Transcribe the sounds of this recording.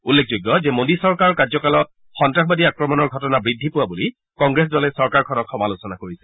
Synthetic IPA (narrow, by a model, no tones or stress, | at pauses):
ulːek̚ʰzojɡːɔzɛmodisɔɹkaɹɔkazɔkalɔt̚ | xɔntɹaxbadiakɹɔmɔnɔɹɡʱɔtɔnabɹidʱːipʊwabuli | kɔŋɡɹesdɔlɛsɔɹkaɹkʰɔnɔtxɔmalusɔnakoɹisɛ